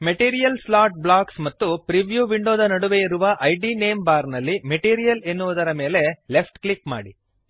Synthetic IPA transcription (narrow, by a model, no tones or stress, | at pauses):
meʈiːɾijɐlslaːʈ̚blaːksmɐt̪ːupɾiʋjuːʋiɳɖoːd̪ɐnɐɽuʋe̞iɾuʋɐʔɐjɖine̞ːmbaːɾnɐlːimeʈiːɾijɐlenːuʋud̪ɐɾɐme̞ːle̞le̞pʰʈklikma̰ːɽi